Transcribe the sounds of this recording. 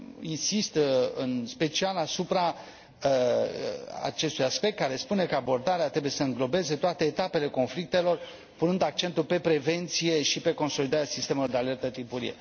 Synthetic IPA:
insist̪ɨ̰nspe̞t͡ʃialasupɾa | a̰t͡ʃe̞st̪ujaspe̞kt̪kaɾe̞spune̞kəabo̞rd̪aɾeat̪ɾe̞buje̞səɨŋɡlo̞be̞ze̞t̪oat̪e̞ːt̪ape̞le̞ko̞nflik̚t̪e̞lo̞r | punɨnd̪ak̚t͡ʃe̞nt̪ulpe̞pɾe̞ve̞nt̪sije̞ʃipe̞ko̞nso̞lid̪aɾeasist̪e̞melord̪eale̞rt̪ət̪ipuɾḭjḛ

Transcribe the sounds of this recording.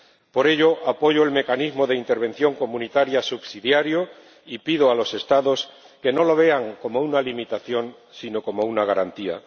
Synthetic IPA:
po̞ɾe̞ʎo̞ʔapo̞ʝo̞e̞lme̞kanizmo̞ðe̞int̪e̞ɾβe̞nθjo̞ŋko̞mũnit̪aɾjasubsiðjaɾjo | ipiðoalo̞se̞st̪aðo̞s | ke̞no̞lo̞β̞e̞aŋko̞mo̞unalimit̪aθjo̞n | sino̞ko̞mo̞unaɣaɾant̪ia̰

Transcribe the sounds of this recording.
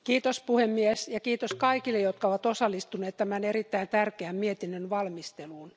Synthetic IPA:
kiːt̪ospuhemːiesjɑkiːt̪oskɑikilːejot̪kɑoʋɑt̪osɑlːist̪uneːt̪t̪æmænerit̪ːæint̪ærkeæmmiet̪inːønʋɑlmist̪eluːn

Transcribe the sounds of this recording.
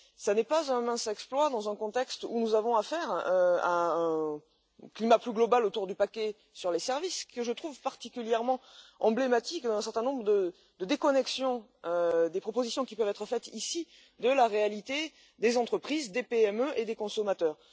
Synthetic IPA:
sanɛpazɛ̃mɛ̃sɛksplwad̪ɑ̃zɛ̃kɔ̃t̪ɛkst̪unuzavɔ̃afɛʁøa̰ɛ̃ | klimaplyɡlɔbalot̪uʁd̪ypakʲɛ | syʁlesɛʁviskəʒət̪χuvpaʁt̪ikʲyljɛʁmɑ̃ɑ̃blemat̪ikd̪ɑ̃ɛ̃sɛ̃ʁt̪ɛ̃nɔ̃bʁəd̪ə | d̪əd̪ekɔnɛksjɔ̃ | ød̪epχɔpozisjɔ̃kʲipœvɛt̪χəfɛt̪isi | d̪əlaʁealit̪e | d̪ezɑ̃t̪χəpχizd̪epeɛmøʔed̪ekɔ̃sɔmat̪œːʁ

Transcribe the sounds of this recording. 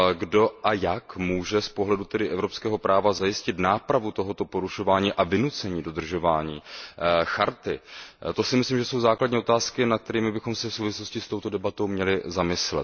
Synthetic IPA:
ɡdo̞ʔajakmuːʒɛspo̞ɦlɛdut̪ɛdɪʔɛvɾo̞pskɛːɦo̞pɾʔaːvazajɪscɪt̪naːpɾavut̪o̞ɦot̪o̞po̞ɾuʃo̞vaːɲiːʔavɪnut͡sɛɲiːdo̞d̪r̩ʒo̞vaːɲiːxaɾt̪ɪt̪o̞sɪmɪsliːmʒɛso̞wzaːkladɲɛo̞t̪aːskɪnat̪k̚t̪ɛɾiːmɪbɪxo̞msɛfsowvɪslo̞scɪst̪o̞wt̪o̞dɛbat̪o̞wmɲɛlɪzamɪslɛ̰t̪

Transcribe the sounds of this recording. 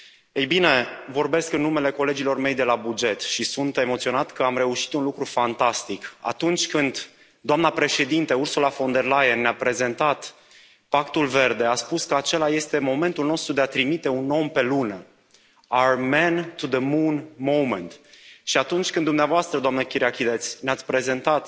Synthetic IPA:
ejbine̞vo̞rbe̞skɨnːume̞le̞ko̞le̞d͡ʒilo̞rme̞jd̪e̞labud͡ʒe̞t̪ʃisunt̪e̞mot̪sio̞nat̪kəamɾe̞uʃi̥t̪unlukɾufant̪ast̪ika̰t̪unt͡ʃʲkɨnd̪ | d̪oamnapɾe̞ʃe̞d̪int̪eursulafo̞nd̪e̞rlajenːeapɾe̞ze̞nt̪at̪ | pakt̪ulve̞rd̪e̞at̪spuskəat͡ʃe̞laje̞st̪e̞mo̞me̞nt̪ulno̞st̪ɾud̪eat̪ɾimit̪e̞unːo̞mpe̞lunə | aɹmɛnt̪ud̪əmunmowment̪ʃiat̪unt͡ʃʲkɨnd̪umneavoast̪ɾəd̪oamnəkʲiɾiakʲid̪et̪sʲneat̪sʲpɾe̞ze̞nt̪at̪

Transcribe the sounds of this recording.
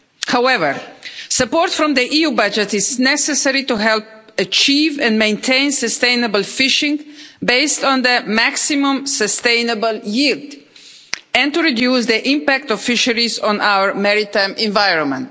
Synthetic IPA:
hawɛvəɹsəpɔɹtfɹɔ̃md̪əʔijubʌd͡ʒɛtɪznɛsɛsɛɾituɦɛlp̚ət͡ʃivɛ̃nmẽɪ̃ntʰẽɪ̃nsəstẽɪ̃nəbəlfɪʃɪ̃ŋbeɪstɔ̃nd̪əmæksimũmsəstẽɪ̃nəbəljild | ɛ̃ntuɹidjus̬d̪iʔɪ̃mpæk̚tɔv̥fɪʃəɾizɔ̃nʔawə˞mɛɹitãɪ̃mɛ̃ɱvajɹɔ̃nmə̃nt

